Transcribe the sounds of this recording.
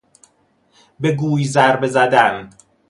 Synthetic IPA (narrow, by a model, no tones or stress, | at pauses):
be̞ɡuːjzæɾbe̞zæd̪æn